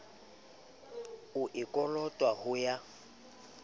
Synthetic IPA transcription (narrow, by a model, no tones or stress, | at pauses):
ʊʔɪkʼɔlɔtʼwahʊja